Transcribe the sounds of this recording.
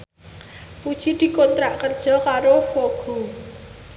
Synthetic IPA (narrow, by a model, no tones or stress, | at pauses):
pud̥ʒ̥i̤d̪̥i̤kɔnt̪ɾaʔkərd̥ʒ̥ɔ̤kaɾofoɡ̥o̤